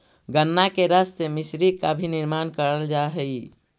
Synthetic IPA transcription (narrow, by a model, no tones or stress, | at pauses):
ɡənːakeɾəssemisɾikːabʱiniɾmankəɾəld͡ʒaɦəi